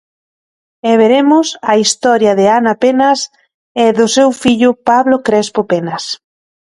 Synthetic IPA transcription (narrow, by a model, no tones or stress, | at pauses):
eβ̞eɾemʊsaist̪ɔɾjɐðɪanapenas | ɛðʊsewfiʎʊpaβlokɾespopenas